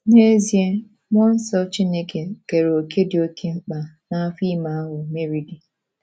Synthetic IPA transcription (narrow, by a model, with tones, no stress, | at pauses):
ne˦zi˦e˦ | mʷ˦ɔ˦n̩˦sɔ˦t͡ʃi˦ne˦ke˨ke˨ɾe˨o˨kʰe˦dɪ˨o˦kʰe˦ŋ͡m̩˦k͡pa˨ | na˦fi˦ma˨a˦ɦʊ˨me˦ɾi˦di˨